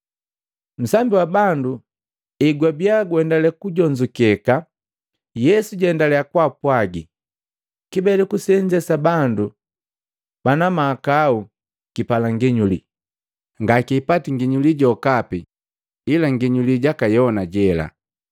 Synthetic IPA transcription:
m̩sambiwabandu | ɛɡwabiaɡwɛndalɛkuɟɔɲd͡ʒukɛka | jɛsuɟɛndalɛakwapwaɡi | kibɛlɛkusɛɲd͡ʒɛsabandu | b̥anamakau | kipalaŋɡiɲulḭ | ŋɡakiːpatiŋɡiɲuliɟɔkapi | ilaŋɡiɲuliɟakajɔnaɟɛla̰

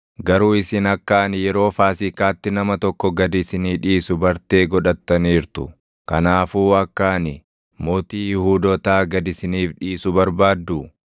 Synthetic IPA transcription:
ɡɐɾuːɪsɪnɐkːaːnjɛɾo̞ːfaːsɪkaːt̪ːɪnɐmɐt̪ɔkːɔɡɐd̪ɪsɪniːᶑiːsʊbɐɾt̪e̞ːɡɔᶑɐt̪ːɐniːɾt̪ʊ | kɐnaːfuːɐkːaːnɪ | mo̞ːt̪iːjɪhuːd̪ɔt̪aːɡɐd̪ɪsɪniːfᶑiːsʊbɐɾbaːd̪ːʊ

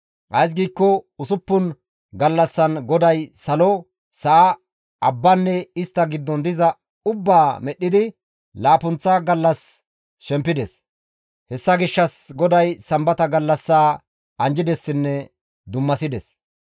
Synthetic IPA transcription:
ʔɐjs̬ɡiːkːɔʊsʊpːʊn | ɡɐlːɐsːɐnɡɔd̪ɐjsɐlɔ | sɐʔa | ɐbːɐnːɛɪst̪ːɐɡɪd̪ːɔnd̪ɪzɐ | ʊbːaːmɛʔɗːɪd̪ɪ | laːpʊnt͡sːaɡɐlːɐs | ʃɛmpːɪd̪ɛs | hɛsːɐɡɪʃːɐsɡɔd̪ɐjsɐmbɐt̪ɐɡɐlːɐsːaː | ɐnd͡ʒɪd̪ɛsːɪnːɛ | d̪ʊmːɐsɪd̪ɛs

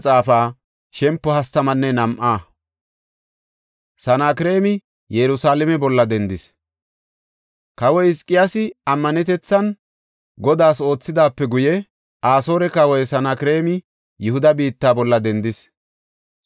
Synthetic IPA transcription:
t͡sʼaːfaː | ʃɛmpːɔhɐst̪ɐmɐnːɛnɐmʔaː | sɐnaːkɪɾe̞ːmɪ | jɛɾʊsaːlɛmɛbɔlːɐd̪ɛnd̪ɪs | kɐwɔjɪskʼːɪjasɪɐmːɐnɛt̪ɛt͡sːɐn | ɡɔd̪aːso̞ːt͡sːɪd̪aːpːɛɡʊjɛ | aːso̞ːɾɛkɐwɔjsɐnakɪɾe̞ːmɪ | jʊhʊd̪ɐbiːt̪ːaːbɔlːɐd̪ɛnd̪ɪs

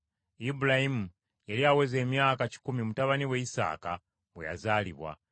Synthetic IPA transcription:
ibulahimu | jaliawe̞ze̞ːmjaːkaci̥kumimutaβaniwe̞isa̰ːka | βwe̞ja̰zaːlḭβwa̰

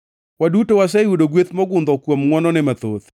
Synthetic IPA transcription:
wadutowasawudoɡwet̪mɔɡʊnd̪ɔkwomŋwɔnɔnɪmat̪o̰t̪

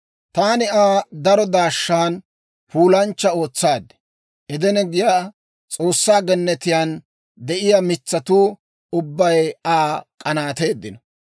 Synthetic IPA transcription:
t̪aːnɪaːd̪ɐɾɔd̪aːʃːaːn | fuːlɐnt͡ʃːɐo̞ːt͡sːaːd̪ɛ̥ | ʔɛd̪ɛnɛɡɪjaː | t͡sʼo̞ːsːaːɡɛnːɛt̪ɪjaːn | d̪ɛʔɪjamɪt͡sːɐt̪uː | ʊbːɐjaːkʼɐnaːt̪e̞ːd̪ːɪnɐ

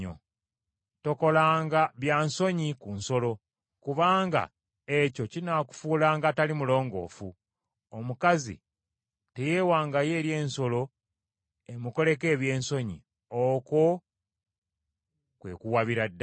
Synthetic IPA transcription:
o̰ | to̞ko̞laːŋɡaβjaːnso̞ɲikunso̞lo̞ | kuβaːŋɡa̰ | eco̞cinaku̥fuːlaːŋɡatalimulo̞ːŋɡo̞̰ːfu | omukazḭ | te̞jeːwaːŋɡaje̞ːɾje̞ːnso̞lo̞ | e̞muko̞le̞ke̞ːβje̞ːnso̞ɲḭ | oko | kwe̞̰kuwaβiɾadː

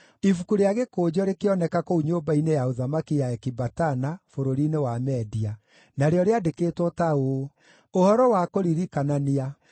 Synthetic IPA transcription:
ifukuɾeaɣekoːd͡ʑɔɾekeɔnɛkakouɲoːbainejaoðamakijaɛkibatanafoɾoɾinewamɛdia | naɾeɔɾeadekeːtwɔtao | ohɔɾɔwakoɾiɾikanania

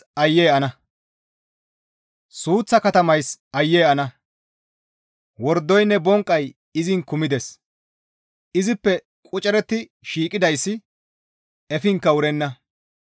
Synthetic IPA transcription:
ɐjːɛːɐnɐ | suːt͡sːɐkɐt̪ɐmɐjsɐjːɛjɐnɐ | wɔɾd̪ɔjnːɛbɔŋkʼːɐj | ɪzɪŋkʊmɪd̪ɛs | ɪzɪpːɛ | kʼʊt͡ʃʼɛɾɛt̪ːɪʃiːkʼɪd̪ɐjsːɪ | ɛfɪŋkːɐʊɾɛnːɐ

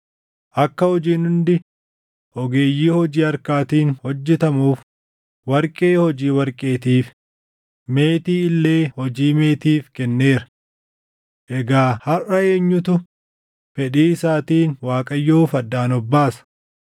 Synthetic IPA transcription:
ʔɐkːɐhɔd͡ʒiːnʊnd̪ɪ | ʔɔɡe̞ːjːiːhɔd͡ʒiːɐɾkaːt̪iːnhɔd͡ʒːɛt̪ɐmuːf | wɐɾkʼe̞ːhɔd͡ʒiːwɐɾkʼe̞ːt̪iːf | meːt̪iːɪlːe̞ːhɔd͡ʒiːme̞ːt̪iːfkɛnːeːɾɐ̥ | ʔɛɡaːhɐrɐe̞ːɲːʊt̪ʊ | fɛᶑiːɪsaːt̪iːnwaːkʼɐjːoːfɐd̪ːaːnɔbːaːsɐ̥

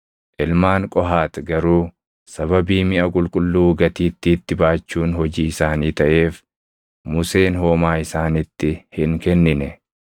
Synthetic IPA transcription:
ʔɪlmaːŋkʼɔɦaːt̪ɡɐɾuː | sɐβɐbiːmɪʔɐkʼʊlkʼʊlːuːɡɐt̪iːt̪ːɪːt̪ːɪbaːt͡ʃːuːnhɔd͡ʒiːɪsaːniːt̪ɐʔe̞ːf | mʊse̞ːnɦoːmaːɪsaːnɪt̪ːɪhɪŋkɛnːɪnɛ

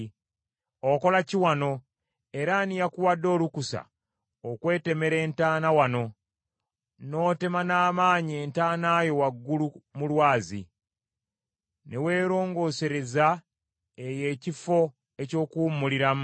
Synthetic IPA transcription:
oko̞laciwano̞ | e̞ɾanijakuwadːo̞ːlukusa̰ | okwe̞ːte̞me̞ɾe̞ːntaːnawano̞ | no̞ːte̞manaːmaːɲieːntaːnaːjo̞waɡːulumulwaːzḭ | ne̞we̞ːɾo̞ːŋɡo̞ːse̞ɾe̞za | eje̞ːcifo̞ | e̞co̞ːkumuliɾam

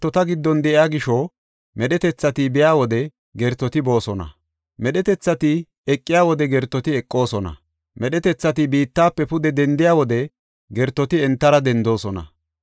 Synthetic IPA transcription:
t̪ːɔt̪ɐɡɪd̪ːɔnd̪ɛʔɪjaːɡɪʃɔ | mɛɗɛt̪ɛt͡sːɐt̪ɪbɪjaːwɔd̪ɛ | ɡɛɾt̪ːɔt̪ɪbo̞ːsɔnɐ̰ | mɛɗɛt̪ɛt͡sːɐt̪ɪ | ɛkʼːɪjaːwɔd̪ɛɡɛɾt̪ːɔt̪ɪɛkʼːo̞ːsɔnɐ̰ | mɛɗɛt̪ɛt͡sːɐt̪ɪbiːt̪ːaːpːɛpʊd̪ɛd̪ɛnd̪ɪjaːwɔd̪ɛ | ɡɛɾt̪ːɔt̪ɪɛnt̪ːɐɾɐd̪ɛnd̪o̞ːsɔnɐ̰

